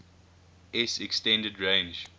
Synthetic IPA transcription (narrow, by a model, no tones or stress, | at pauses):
ɛsɛkstɛ̃ndədɹẽnd͡ʒ